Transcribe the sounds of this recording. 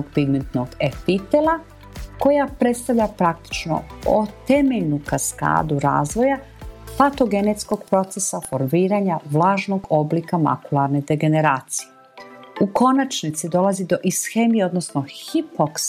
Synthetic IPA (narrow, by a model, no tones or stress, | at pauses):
oɡ̚piɡment̪noɡefit̪elˠa | ko̞japɾe̞t̪st̪aʋʎapɾak̚t̪i̥t͡ʃno̰o̰t̪emeʎnukaska̰ːd̪uɾa̰ːzʋo̞ja | fat̪o̞ɡe̞net̪skoɡpɾo̞t̪sesafo̞ɾmiːɾaɲaʋlaːʒno̞ɡo̞blikama̰kulˠaɾne̞d̪e̞ɡe̞ne̞ɾaːt̪sije | uko̞nat͡ʃnit̪sid̪o̞lazid̪o̞ʔisxe̞ːmijeo̞d̪nosnoxiphoks